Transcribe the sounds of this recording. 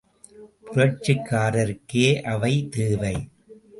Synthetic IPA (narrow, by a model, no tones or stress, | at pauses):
pʊɾɐʈt͡ʃɯkːaːɾɐɾkeːʔɐʋɐɪt̪eːʋɐɪ